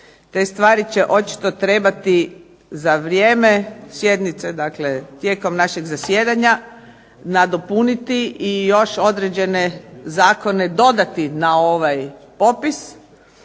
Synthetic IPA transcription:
t̪e̞ːst̪ʋaːɾit͡ɕe̞ʔo̞t͡ʃi̥t̪o̞t̪ɾe̞bat̪i | zaʋɾjeːme̞sje̞d̪nit̪se̞d̪akle̞t̪jeːko̞mnaʃeɡzasjeːd̪aɲa | nad̪opunit̪iijo̞ʃo̞d̪ɾed͡ʑe̞nezaːko̞ne̞d̪o̞d̪at̪inao̞ʋajpo̞pis

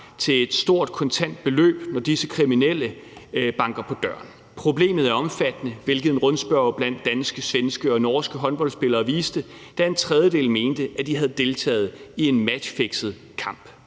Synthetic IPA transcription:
t͡sʰe̝le̝d̥sd̥o̝ɐ̰d̥̚kʰɒ̽nt͡sʰæn̰d̥̚b̥e̝lø̰ːb̥nɒd̥isəkʰʁiminel̰ə | b̥ɑ̈ŋɡ̥ɐpʰɒ̽d̥ɶɐ̰n | pʰʁo̝ble̝̰ːmð̞̩ˠæɐɒ̽mfæd̥ənəʋe̝lɡ̥əð̞̩ˠnʁɔ̽nsb̥ɶɐb̥læn̰d̥ːænsɡ̥əsʋensɡ̥əɒ̽nɒːsɡ̥əɦɒ̽nb̥ɒ̽lsb̥e̝lɐːʋiːsd̥əd̥æe̝nt͡sʰʁɛð̞ˠjəd̥e̝̰ːlme̝ːnd̥əʔæd̥iɦæð̞ˠd̥e̝lt͡sʰɛ̰ːð̞̩ˠie̝nmæ̥fe̝ɡ̥sð̞̩ˠ | kʰɑ̈m̰b̥

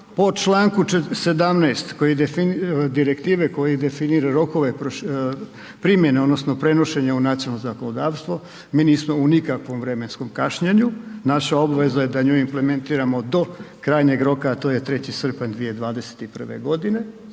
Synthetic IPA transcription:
po̞t͡ʃlaːŋkut͡ʃse̞d̪amnɛːst̪kojid̪efind̪iɾekt̪iːʋeko̞jid̪e̞finiːɾaɾo̞ko̞ʋe̞pɾoʃ | pɾimje̞ne̞od̪no̞sno̞pɾe̞no̞ʃe̞ɲeunat̪siolnozakonod̪aːʋst̪ʋo | miːniːsmo̞unikakʋo̞mʋɾe̞me̞nsko̞mkaʃɲeɲunaʃao̞baʋe̞zaje̞d̪aɲoːjimple̞me̞nt̪iːɾamo̞d̪o̞kɾaːjɲe̞ɡɾo̞kaːt̪o̞jet̪ɾe̞t͡ɕisr̩pand̪ʋije̞d̪ʋaːd̪e̞se̥t̪ipr̩ʋḛɡo̞d̪ine̞

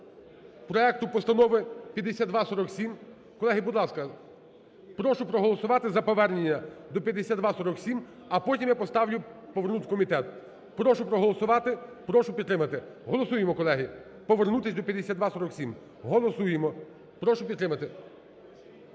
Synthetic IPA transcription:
pɾɔɛk̚t̪ʊpɔst̪ɐnɔʋɪpʲjɐd̪esʲad̪d̪ʋɑsɔɾɔksʲim | kɔlˠɛɦibʊd̪lˠɑskɐ | pɾɔʃʊpɾɔɦɔlˠɔsʊʋɑt̪ɪzɐpɔʋɛrnenʲːɐd̪ɔpʲjɐd̪esʲad̪ʋɑsɔɾɔksʲim | ɐpɔtʲimjapɔst̪ɑwlʲʊpɔʋernut̪ɪkɔmʲit̪ɛt̪ | pɾɔʃʊpɾɔɦɔlˠɔsʊʋɑt̪ɪpɾɔʃʊpʲid̪t̪ːɾɪmɐt̪ɪ | ɦɔlˠɔsujemɔkɔlˠɛɦi | pɔʋernut̪ɪsʲd̪ɔpʲjɐd̪ːesʲad̪ʋɑsɔɾɔksʲim | ɦɔlˠɔsujemɔ | pɾɔʃʊpʲid̪t̪ːɾɪmɐt̪ɪ

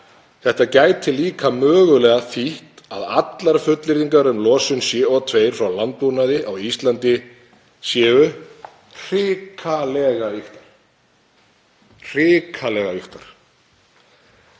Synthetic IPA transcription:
θɛht̪acaːjt̪ʰːɪlːiːkʰamœːɣʏlɛɣaθiht̪a̰ða̰t̪laɾ̥fʏt̪lɪɾiŋkaɾʏmlɔːsʏnsjɛːɔt̪ʰveːjɾ̥fɾawlant̪unaðɪʔawist̪lant̪ɪ | sjɛːvʏ | r̥ɪːkʰalɛɣaʏxt̪ḁɾ̥ | r̥ɪːkʰalɛɣaʏht̪aɾ̥

